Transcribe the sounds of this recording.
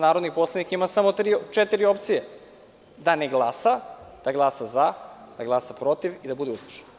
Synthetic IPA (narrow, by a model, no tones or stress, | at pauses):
naːɾod̪nipo̞slˠanikimasamo̞t̪ɾiːt͡ʃet̪iɾio̞pt̪sije | d̪aneɡlˠaːsad̪̥aɡlˠasazad̪̥aɡlˠasapɾo̞t̪iʋid̪abud̪eust̪i̥ʃe̥n